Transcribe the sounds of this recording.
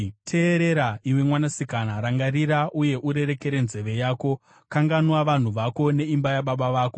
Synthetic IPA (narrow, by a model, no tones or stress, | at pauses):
tʰe̞ːɾe̞ɾaiwe̞mwanasikanaɾaŋɡariɾaʔuje̞ʔuɾe̞ɾe̞ke̞ɾe̞nze̞ʋe̞jaːko̞ | kaŋɡanwaʋan̤uʋako̞ne̞imbajaɓaɓaʋaːko̞